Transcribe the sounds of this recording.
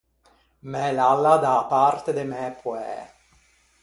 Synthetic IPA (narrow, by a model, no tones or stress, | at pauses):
mɛlalːad̪aːpart̪ed̪emɛpwɛ̰